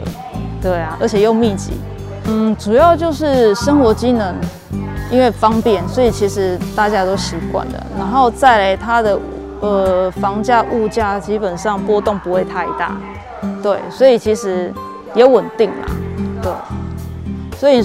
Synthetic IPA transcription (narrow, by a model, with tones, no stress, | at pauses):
t̪we˥˩ɪa˨ʔə̰˞˧˥t͡ɕʰjɛ˨˩jo˥˧ʊmi˥˧t͡ɕḭ˨˩˦ | n̩˥˩ʈ͡ʂu˨˩jɑ˥˧ʊt͡ɕjo˥˧ʊʂɻ̩˥˩ʂə˥ŋxwɔ˧˥t͡ɕi˥nə˧˥ŋ | i˦˥nwe˥˩ɪfɑ˦˥ŋpjɛ˥˨nswɔ˧˥i˨˩t͡ɕʰi˧˥ʂɻ̩˧˥t̪a˥˨t͡ɕja˥t̪o˥ʊɕi˨˧˥kwa̰˥˩nd̪ə̰˩na̰˧˥nxo˥˧ʊt͡sa˥˩ɪla˧˥ɪt̪ʰa˦d̪ə˨ | ə˨˩fɑ˧˥ŋt͡ɕja˥˧ʔu˥˧˩t͡ɕja˥˩t͡ɕi˥pə˨˩nʂɑ˥˧ŋpwɔ˥t̪ʊ˥˩ŋpu˧˥we˥˧ɪt̪ʰa˥˧ɪt̪a̰˥˩ | t̪we˥˩ɪswɔ˧˥i˨˩t͡ɕʰi˧˥ʂɻ̩˧˥ | jɛ˨˥wə˨˩nt̪i˥˩ŋma̰˩t̪we˥˩ɪ | swɔ˧˥i˨˩